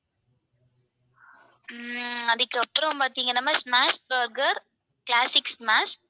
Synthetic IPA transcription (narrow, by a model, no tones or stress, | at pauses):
ɐðɯkːɯɐpːɾɐ̃mpaːɾt̪iːŋɡɐnaːmaːsmaːsbɐɾɡɐɾ | klaːsɪksmaːs